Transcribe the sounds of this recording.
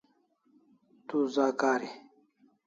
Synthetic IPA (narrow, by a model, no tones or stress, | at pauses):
t̪uːzaːkaːɾe